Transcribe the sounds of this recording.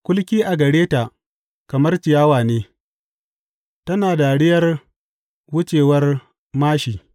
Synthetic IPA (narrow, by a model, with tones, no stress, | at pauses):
kʷʊ˦lkʲiː˦ʔa˨ɡɐ˨ɽeː˦ta˨ | kɐ˨mɐ˦rt͡ʃɪ˨jaː˦waː˨neː˦ | tɐ˦naː˨da˨ɽɪ˦jɐ˦r | wʊ˦t͡ʃeː˨wɐ˦r | maː˦ʃiː˨